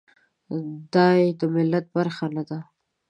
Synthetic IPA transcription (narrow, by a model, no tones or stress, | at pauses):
d̪ɑjed̪əmɪlːat̪̚baɾxanad̪a